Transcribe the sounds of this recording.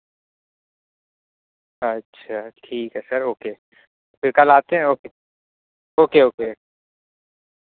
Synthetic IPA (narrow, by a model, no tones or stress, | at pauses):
ɐtːʃʰaʈʰiːkɦɛsɐɾoːke | fɪɾkɐlaːt̪eɦɛ̃oːke | oːkeɦoːke